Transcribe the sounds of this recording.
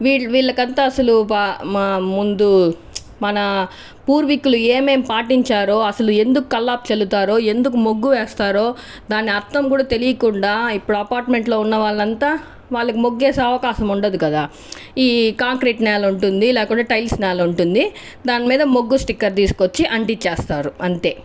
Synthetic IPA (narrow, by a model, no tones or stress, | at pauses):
ʋiːɭʋiːɭːɐkɐnt̪aːɐsɐlupammund̪u | mɐnɐ | puːɾʋikulueːme̞ːmpaːʈiɲt͡ʃaːɾo̞ːɐsɐlue̞nd̪uku̥kɐlːaːp̚t͡ʃɐlut̪aːɾo̞ːe̞nd̪ukumoɡːuʋeːst̪aːɾoː | d̪aːnːiɐɾt̪ɐmkuːɽaːt̪e̞lijɐkuɳɖaːipːuɽuɐpaːɾʈme̞ɳʈlo̞ːunːɐʋaːɭːɐnt̪aː | ʋaːɭːɐkimoɡːeːsɐɐʋɐkaːʃɐmuɳɖɐd̪ukɐd̪aː | iːkaːŋkɾiːʈnɛːlɐuɳʈund̪ilɛːkuɳɖaːʈɐjlsnɛːlɐuɳʈund̪i | d̪aːnimiːd̪ɐmoɡːusʈikːɐɾt̪̬iːsu̥ko̞t͡ʃːiʔɐɳʈit͡ʃːeːst̪aːɾuɐnt̪e̞ː